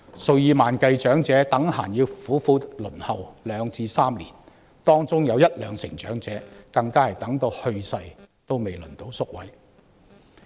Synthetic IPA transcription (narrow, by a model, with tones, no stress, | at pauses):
sɵ˨˧wjiː˨˧maː˨˩nkɐ˧jt͡ʃœː˨˥ŋt͡sɛː˨˥t̪ɐ˨˥ŋhaː˨˩njiː˧wfuː˨˥fuː˧tlɵ˨˩nhɐ˨wlœː˨˧ŋt͡siː˧saː˥mlḭː˨˩n | t̪ɔː˥ŋt͡sʊ˥ŋjɐ˨˧wjɐ˥t̚lœː˨˧ŋsɪ̰˨˩ŋt͡ʃœ̰ː˨˥ŋt͡sɛː˨˥kɐ˧ŋkaː˥hɐ˨˩jt̪ɐ˨˥ŋt̪o˧whɵ˧ɥsɐ˧jt̪o˥wme˨jlɵ̰˨˩nt̪o˨˧˥wsʊ˥k̚wɐ˨˥j